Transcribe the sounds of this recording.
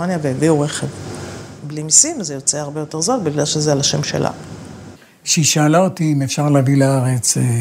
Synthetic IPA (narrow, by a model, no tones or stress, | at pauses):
anjaveheviuʁe̞χevblimisimzejo̞t͡seaʁbejo̞te̞ʁzolbiɡlalʃezealaʃe̞mʃe̞̰lʔa̰ | ʃeiʃaːlaot̪iimefʃaʁleːvilaaʁet͡s